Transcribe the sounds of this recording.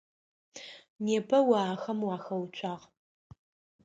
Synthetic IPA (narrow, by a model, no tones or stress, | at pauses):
neːpʰɐwaːxɐmwaːxɐwt͡ʃʷʰaːʁ